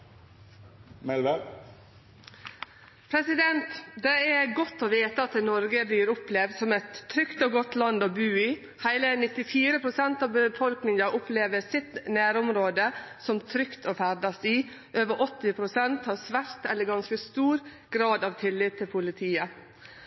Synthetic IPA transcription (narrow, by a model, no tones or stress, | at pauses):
mɛlʋə | pʰɾɛsɪd̪ɛnt̪d̪ɛæɡɔt̪ːoːʋeːt̪əɑt̪̚d̪ɛnɔɾɡəbliːɾʊplɛʋd̪sɔmɛt̪ʰːɾʏkt̪oːɡɔt̪lɑnd̪oːbʉːɪ | hæɪlənɪt̪ːɪfiːɾəpʰɾʊsɛnt̪ɑːʋbəfɔlknɪŋɑʔʊpleːʋəɾsɪt̪næːɾɔmɾoːd̪ə | sɔmt̪ʰɾʏkt̪ʰoːfæɾd̪ɑst̪iː | ʔøːʋəʔɔt̪ːɪpʰɾʊsɛnt̪hɑːʋsʋæɾt̪ɛlːəɾɡɑnskəst̪uːɾ | ɡ̥ɾɑːd̪ɑːʋt̪ʰɪlːɪt̪t̪ʰːɪlpʰʊlɪt̪ʰiːə